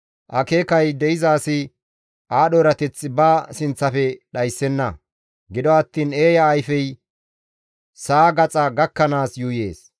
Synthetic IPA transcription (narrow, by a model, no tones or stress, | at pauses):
ʔɐke̞ːkɐjd̪ɛɪzaːsɪ | ʔaːɗoːɾɐt̪ɛt͡sːɪbɐːsɪnt͡sːɐfɛɗɐjsːɛnːɐ | ɡɪd̪ɔɐt̪ːiːneːjɐːjfɛj | saːɡɐt͡sʼɐɡɐkːɐnaːsjuːje̞ːs